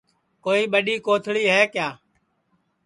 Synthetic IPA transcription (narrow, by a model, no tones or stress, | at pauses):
koːiːɓəɗiːkoːt̪ʰɭiːɦɛːkjaː